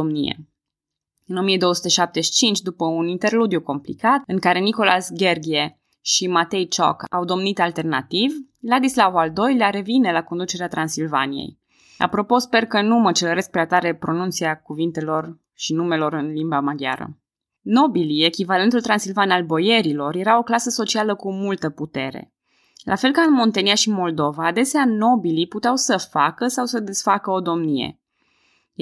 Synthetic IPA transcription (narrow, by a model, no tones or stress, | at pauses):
omnijḛ | ɨno̞mije̞d̪o̞wəsu̥t̪eʃap̚t̪e̞ʃi̥t͡ʃint͡ʃʲd̪upəunint̪e̞rlud̪juko̞mplḭkat̪ɨŋkaɾe̞niko̞lasɡʲe̞rɡʲie | ʃimat̪e̞jt͡ʃo̰ka̰wd̪o̞mnit̪alt̪e̞rna̰t̪iv | lad̪islavald̪o̞jleaɾe̞vine̞lako̞nd̪ut͡ʃe̞ɾeat̪ɾansilva̰nijḛj | a̰pɾo̞po̞spe̞rkənumət͡ʃeləɾe̞sk̚pɾeat̪aɾe̞pɾo̞nunt̪siakuvint̪e̞lo̞r | ʃinume̞lo̞ɾɨnlimbamaɡja̰ɾə̰ | no̞bilie̞kʲivalent̪ult̪ɾansilvanalbo̞je̞ɾilo̞rje̞ɾao̞klasəso̞t͡ʃialəkumult̪əput̪e̞ɾḛ | lʔa̰fe̞lkaɨnmo̞nt̪eniaʃimo̞ld̪o̞vaːd̪e̞seano̞biliput̪eawsəfakəsawsəd̪esfakəo̞d̪o̞mnijḛ